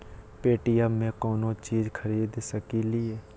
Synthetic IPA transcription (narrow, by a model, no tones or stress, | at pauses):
peːʈijaːẽkɔːnõt͡ʃiːzkʰəɾiːd̪səkilieː